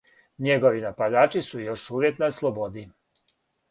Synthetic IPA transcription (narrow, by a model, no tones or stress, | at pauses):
ɲeɡo̞ʋinapad̪aːt͡ʃisujo̞ʃuːʋjeknaslˠobod̪i